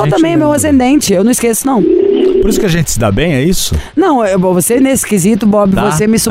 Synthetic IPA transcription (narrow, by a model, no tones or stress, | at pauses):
t̪ɐ̃mbẽj̃ɛmewasẽnd̪ẽnt͡ʃɪewnɐ̃w̃skesʊnɐ̃w̃poɾisʊkɪaʒẽnt͡ʃɪ̥sɪd̪a̰bẽj̃ɛisʊnɐ̃w̃vosenesɪ̥kɪzit̪ʊbɔbɪvosemɪsu